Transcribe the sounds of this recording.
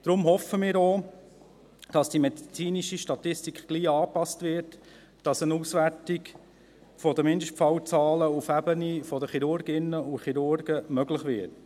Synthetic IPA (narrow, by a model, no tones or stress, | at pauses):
d̪̥ɾʊmɦɔfəmɪːɾoː | d̥ɑsd̥imɛdit͡siːniʃiʃtɑt̪ɪstikχɡ̥liːɑːpɑstvɪɾt | d̥ɑsənuːsʋæɾtik | fɔdəmɪndəʃtfɑwt͡sɑːləufæbənifɔdəχiɾʊɾɡɪnːəuχiɾʊɾɡ̥əmœɡlɪχʋɪ̰t